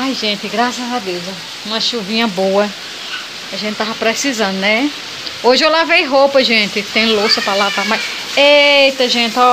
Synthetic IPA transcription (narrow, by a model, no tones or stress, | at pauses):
ajʒẽnt̪ɪɡɾasɐzad̪ewz | ũmɐʃuvĩɲɐboɐ | aʒẽt̪ɪt̪avɐpɾesizɐ̃nd̪ʊnɛ | oʒɪewlavejɦowpɐʒẽt̪ɪt̪ẽj̃losʊpɾɐlavamajs | ejt̪ɐʒẽt̪ɔ